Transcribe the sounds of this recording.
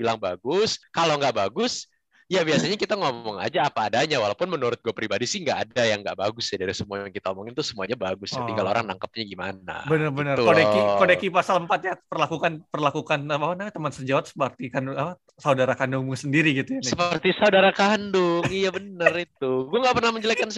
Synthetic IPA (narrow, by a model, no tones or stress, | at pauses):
bilaŋbaɡʊskaloŋɡaʔbaɡʊs | jabiasaɲakit̪aŋɔmɔŋa̰d͡ʒaːpaːdaɲawalawpʊnmənuɾʊt̪̚ɡuapɾibadisɪŋɡaʔːdajaŋɡa̰ʔbaɡʊsjadaɾisəmuaŋkit̪aomɔŋɪnt̪ʊsəmuaɲabaɡʊstat̪iɡalo̰ɾa̰ŋna̰ŋkəp̚ɲaɡima̰na̰bənərbənərkonɛkikodɛkipasaləmpat̪̚ɲapərlakukanpərlakukanaawanat̪əmansəd͡ʒawat̪sə̥pərt̪ikandʊapa | saudaɾakandʊŋsəndiɾiɡit̪ujanssəpərt̪isaudaɾakandʊŋŋijabənərit̪̚uɡuaŋɡaʔpərnahməɲd͡ʒəlakans